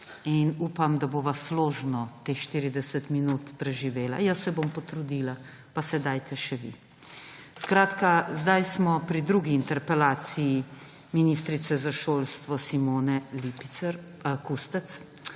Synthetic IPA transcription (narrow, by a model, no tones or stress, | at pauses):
inuːpamd̪aboːʋasloːʒnɔt̪eːxʃt̪iːɾid̪ɛsət̪minut̪pɾɛʒiʋeːla̰jəsɛbompɔt̪ɾud̪iːla | pasɛd̪ajt̪ʰɛʃɛʋḭ | skɾaːt̪kazd̪ajsmɔpɾid̪ɾuɡiːnt̪ɛɾpɛlaːt̪siji | minist̪ɾit̪sɛzaʃoːlst̪ʋɔsimoːnɛlipi̥ɛɾ | kust̪ɛt̪s